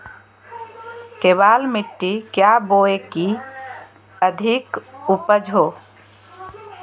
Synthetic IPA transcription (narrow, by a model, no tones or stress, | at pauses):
kebalmiʈːikjaboeki | əd̪ʱikupəd͡ʒʱɦo